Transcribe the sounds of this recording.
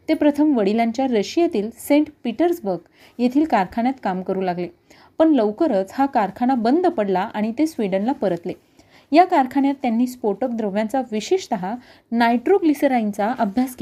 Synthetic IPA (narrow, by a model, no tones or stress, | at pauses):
t̪epɾət̪ʰəmʋəɽilãɲt͡ɕjaɾəɕijat̪iːlsẽɳʈpiʈəɾsbəɾɡ | jet̪ʰiːlkaɾkʰaɳ̃jat̪kamkəɾuːlaɡle | pəɳləʋkəɾət͡shakaɾkʰaɽ̃abənd̪pəɽlaʔaɽ̃it̪esʋiɽənlapəɾət̪le | jakaɾkʰaɳjat̪ːjanːiːspoɾʈok̚d̪ɾəʋjãt͡saʋiɕeʂt̪əɦa | najʈɾoɡlisəɾaint͡saʔəbʱjaske